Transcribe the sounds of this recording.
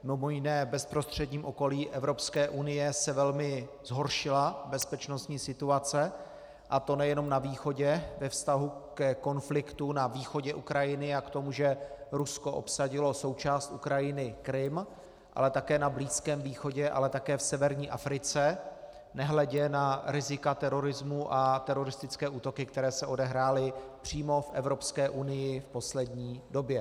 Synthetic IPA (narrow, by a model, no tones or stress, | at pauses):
mɪmojɪnɛːbɛspɾo̞st̪r̝̥ɛd̪ɲiːmʔoko̞liːʔɛvɾo̞pskɛːʔunɪjɛsɛvɛlmɪ | z̥ɦo̞ɾʃɪlabɛspɛt͡ʃno̞st̪ɲiːsɪt̪uat͡sɛ | ʔat̪o̞nɛjɛno̞mnaviːxo̞ɟɛvɛfst̪aɦukɛko̞nflɪkt̪unaviːxo̞ɟɛʔukɾajɪnɪakt̪o̞muʒɛɾusko̞ʔo̞̰psaɟɪlo̞so̞wt͡ʃaːst̪ṵkɾajɪnɪkɾɪm | ʔa̰lɛt̪akɛːnabliːskɛːmviːxo̞ɟɛʔa̰lɛt̪akɛːfsɛvɛɾɲiːʔafɾɪt͡sɛ | nɛɦlɛɟɛnaɾɪzɪkat̪ɛɾo̞ɾɪzmuʔat̪ɛɾo̞ɾɪst̪ɪt͡skɛːʔuːt̪o̞kɪkt̪ɛɾɛːsɛʔo̞dɛɦɾaːlɪpr̝̥iːmo̞fʔɛvɾo̞pskɛːʔunɪjɪfpo̞slɛdɲiːdo̞bjɛ